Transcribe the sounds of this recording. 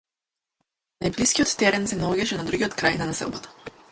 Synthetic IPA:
najbliskʲiɔt̪ːɛɾɛnsɛnaɔɡaʃɛnad̪ɾuɡʲiɔt̪kɾajnanasɛ̰lˠbɔt̪ḁ

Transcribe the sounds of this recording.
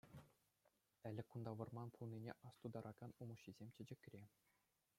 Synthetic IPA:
ɘ̆lʲɘ̆kund̪ɑʋɤ̆rmɑnpʰulˠnʲinʲḛʔɑst̪ud̪ɑɾʔɑɡɑnumɤ̆ɕːizʲemʲt͡ɕɘ̆d͡ʑɘ̆kʲrʲe

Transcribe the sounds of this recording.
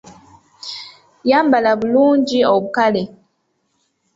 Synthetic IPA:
jambalablund͡ʒiɔbkale

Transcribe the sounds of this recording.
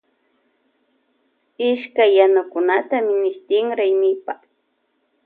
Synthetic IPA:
ɪʃkajːanʊkʊnat̪amɪnɪst̪ɪŋɾajmɪpa

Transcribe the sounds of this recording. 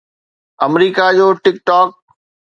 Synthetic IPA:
ɐmɾiːkad͡ʑoːʈɪk̚ʈɔːk̚

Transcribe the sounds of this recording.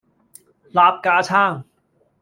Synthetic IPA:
laːp̚kaːt͡ʃʰãː

